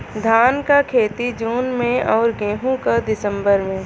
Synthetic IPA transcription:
d̪ʱaːnkakʰeːt̪id͡ʒuːnmẽɔːɾɡẽːɦũkad̪ɪsə̃mbəɾmẽː

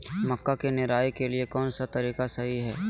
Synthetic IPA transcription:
mɐkːakenɪɾaːjkeliekɔːnsat̪ɐɾiːkasɐɦiɦɛː

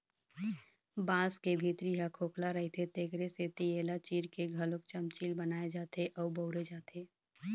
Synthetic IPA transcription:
bãːskebʱit̪ɾiɦakʰoːklaɾəɦit̪ʰet̪eːkɾeset̪ijeːlat͡ʃiːɾkeɡʱəlok̚t͡ʃəmt͡ʃiːlbənaːed͡ʒaːt̪eʔɔːbəʊɾed͡ʒaːt̪ʰeː

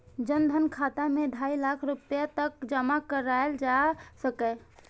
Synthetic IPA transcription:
d͡ʒənd̪ʱənkʰat̪amed̪ʱailakʰɾupjat̪əkd͡ʒəmakəɾaeld͡ʒasəkɛ

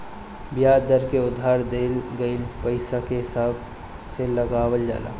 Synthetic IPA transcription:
bjaːd̪əɾkeʊd̪ʱɦaːɾd̪eːlɡəɪlpəɪsakeɦɪsaːb | seləɡaːwəld͡ʒa̰ːla̰ː

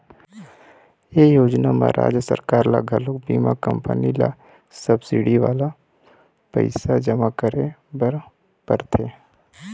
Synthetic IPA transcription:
jeːjoːd͡ʒnama̰ɾʔa̰ːd͡ʒjəsə̰ɾkaːɾla̰ɡʱəlʊk̚biːmakə̃mpə̰nila̰ | səbsiɽiʋaːla | pə̰ɪsad͡ʒəmakəɾebəɾ | pəɾt̪ʰeː

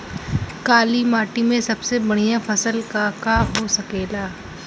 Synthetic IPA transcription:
kaːlimaːʈimẽsɐbsebɐɽ̃ijafɐsəlkakaɦosɐkeːlaː

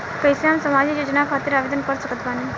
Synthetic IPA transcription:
kəjseɦamsəmad͡ʒijod͡ʒnakʰat̪iɾaʋed̪ənkəɾsəkət̪bane

